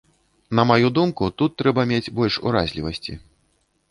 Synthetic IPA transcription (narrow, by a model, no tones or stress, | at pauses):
nɐmajud̪umkut̪ut̪ːɾɛbɐmʲed͡zʲbɔlʲʂṵɾazʲlʲivɐsʲt͡sʲḭ